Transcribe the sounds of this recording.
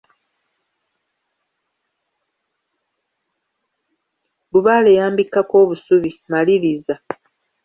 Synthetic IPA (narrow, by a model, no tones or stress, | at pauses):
buβaːle̞jaːmbikːako̞ːβusuβimaliɾiza